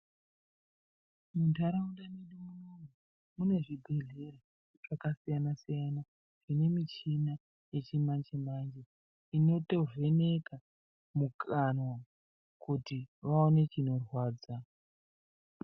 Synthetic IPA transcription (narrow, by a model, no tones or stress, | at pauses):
muntaɾaundaninomunoŋu | mune̞ʐibʱe̞ɮe̞ɾa | ʐ̥akasijanasijana | ʐ̥ine̞mit͡ʃina | je̞t͡ʃimand͡ʒemand͡ʒe | ino̞to̞ve̞neka | mukʰanwa | kutiʋaone̞t͡ʃino̞rwaːd͡za